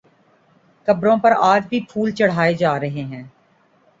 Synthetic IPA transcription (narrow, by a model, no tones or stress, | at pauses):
kɐbɾõpɐɾaːd͡ʒbʱipʰuːlt͡ʃɐɽ̤aːed͡ʒaːɾɐɦeɦɛ̃ː